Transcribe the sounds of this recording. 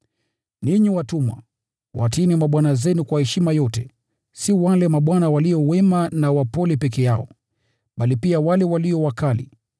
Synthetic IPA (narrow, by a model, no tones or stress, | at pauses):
niɲiwatumwa̰ | wʔa̰tinimaɓwanazɛnukwahɛʃimajɔtɛ | siwalɛmaɓwanawaliɔwɛmanawapɔlɛpɛk̬ɛjaɔ̰ | ɓalipiawalɛwaliɔwakalḭ